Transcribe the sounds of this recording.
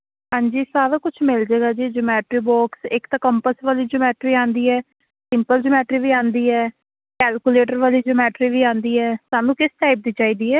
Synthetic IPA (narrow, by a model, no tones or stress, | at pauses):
ɦãːɲd͡ʒiːsaːɾaːkʊt͡ʃʰmɪld͡ʒeːɡaːd͡ʒiːd͡ʒʊmɛːʈɾiːbɔːksɪkt̪aːkəmpəsʋaːliːd͡ʒomɛːʈɾiːãːnd̪iːɛː | sɪmpəld͡ʒʊmɛːʈɾiːʋiːãːnd̪iːɛː | kɛːlkuleːʈ̬əɾʋaːliːd͡ʒomɛːʈɾiːʋiːãːnd̪iːɛːsaːnũːkɪsʈaːɪp̚d̪iːt͡ʃaːiːd̪iːɛː